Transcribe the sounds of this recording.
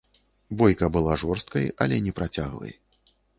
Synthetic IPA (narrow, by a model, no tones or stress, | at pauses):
bɔjkɐbɨlˠaʐɔrst̪̚kɐjɐlʲɛnʲɛpɾat͡sʲaɣvɐ̰j